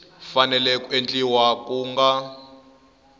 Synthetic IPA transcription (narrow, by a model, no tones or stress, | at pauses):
fanɛlɛkuent͡ɬʼiwakuːŋɡa